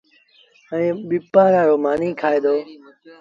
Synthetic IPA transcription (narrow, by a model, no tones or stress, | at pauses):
ə̃ẽːɓɪpaːɾaːɾoːmaːnĩːkʰaːeːd̪oː